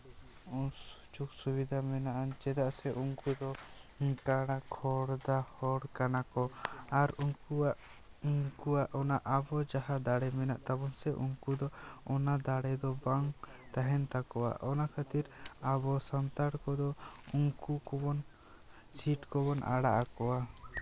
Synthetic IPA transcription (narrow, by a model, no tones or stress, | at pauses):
su̥t͡ʃuk̚subid̪ʱamɛnaʔant͡ʃɛd̪aʔsɛʔuŋkud̪ɔkaɽakʰɔɽd̪ahɔɽkanakɔaɾuŋkuaʔ | uŋkuaʔɔnaʔabɔd͡ʒaɦad̪aɽɛmɛna̰ʔt̪abɔnsɛʔṵŋkud̪ɔɔnad̪aɽɛd̪ɔbaŋ | t̪aɦɛnt̪akɔwa̰ʔɔnakʰat̪iɾabɔsant̪aɽkɔd̪ɔuŋkukɔbɔn | t͡ʃʰiʈkɔbɔnʔa̰ɽaʔakɔwa